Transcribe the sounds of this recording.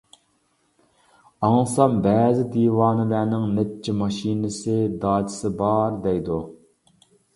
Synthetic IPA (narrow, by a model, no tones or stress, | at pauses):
ɑŋsɑmbɛːzɪd̪iːwɑːnɪlænɪŋnɛt͡ʃʰːimɑʃinɪsɪd̪ɑːd͡ʒ̪ɪ̥sɪbɑɾd̪ɛjd̪u